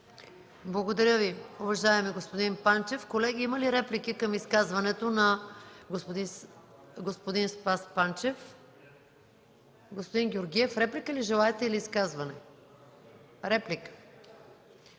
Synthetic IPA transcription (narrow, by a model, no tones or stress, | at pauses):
blˠɐɡod̪ɐɾʲjəviovɐʒaɛmɛɡospod̪inpant͡ʃɛfkolɛɡʲiimɐliɾɛplikikɐmiskazvɐnɛt̪onɐɡopd̪ | ɡospod̪inspaspant͡ʃɛf | ɡospod̪inɡʲioɾɡʲiɛfɾɛplikəliʒɛlˠaɛt̪ɛiliːskazvɐnɛ | ɾɛplikə̥